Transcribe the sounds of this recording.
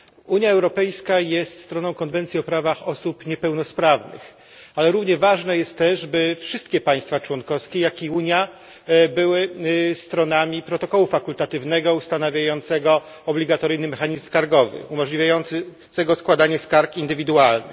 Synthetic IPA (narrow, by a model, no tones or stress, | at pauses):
uɲjaɛwɾɔpɛjskajɛst̪st̪ɾɔnɔ̃w̃kɔnvɛnt̪sʲiɔpɾavaxɔsupɲɛpɛwnɔspɾavnɘ̰x | alɛɾuvɲɛvaʐnɛjɛst̪ːɛʐbɘfʂɘst̪kʲɛpaj̃st̪fat͡ʂwɔnkɔfskʲejakʲiuɲja | bɘwɘst̪ɾɔnamʲipɾɔt̪ɔkɔwufakult̪at̪ɘvnɛɡɔust̪anavʲjajɔnt̪sɛɡɔ | ɔblʲiɡat̪ɔɾɘjnɘmɛxaɲizmskaɾɡɔvɘ̰umɔʐlʲivʲjajɔn | sɛɡɔskwad̪aɲɛskaɾkind̪ɘvʲid̪ualnɘ